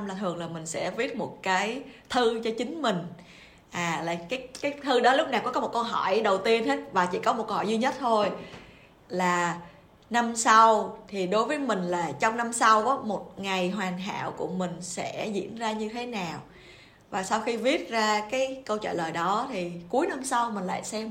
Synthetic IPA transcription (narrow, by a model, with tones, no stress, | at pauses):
mlaː˨˩t̪ʰɨ˨˩əŋlaː˨˩mï˨˩ŋ̟sɛ̰˧˥vi˦˥ət̚mo˨˩t̚kaː˨˦jt̪ʰɨ˧t͡ɕɔ˧t͡ɕï˨˦ŋ̟mï˨˩ŋ̟ | ʔaː˨˩la̰ː˨˩kaː˨˦jkaː˨˦jt̪ʰɨ˧ɗɔ˨˦lʊ˦˥k͡p̚naː˨˩wkɔ˨˦kɔ˨˦o˨˩t̚kə˧wɦɔ˧˩jɗə˨˩wt̪i˧ənhe˦˥t̚vaː˨˩t͡ɕi˧˩kɔ˨˦mo˨˩t̚kə˧whɔ˧˨˩jzi˧ɲə˦˥t̚t̪ʰo˧j | laː˨˩ | na˧msa˧wt̪ʰi˨˩ɗo˨˦jvəː˨˦jmï˨˩ŋ̟laː˨˩t͡ɕɔ˧wŋ͡mna˧msa˧wkɔ˨˦mo˨˩t̚ŋa˨˩jɦwaː˨˩ŋɦa̰ː˧˨wkṵ˧˩əmï˨˩ŋ̟sɛ̰˧˥zḭ˧˥ənzaː˧ɲɨ˧t̪ʰe˨˦naː˨˩w | vaː˨˩sa˧wxi˧vi˦˥ət̚zaː˧kaː˨˦jkə˧wt͡ɕa̰ː˧˨ləː˨˩jɗɔ˨˦t̪ʰi˨˩ku˨˦əjna˧msa˧wmï̟˨˩la̰ː˧˨jsɛ˧m